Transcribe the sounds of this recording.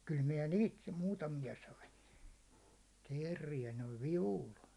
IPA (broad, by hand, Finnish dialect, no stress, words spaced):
kyl miɛ niːt muːtɑmijɑ sɑin̞ teːrːijæ noiʋ ʋiʋul